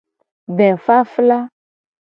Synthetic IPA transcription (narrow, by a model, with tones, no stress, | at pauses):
ɖɛ̃˨fa˦fla˦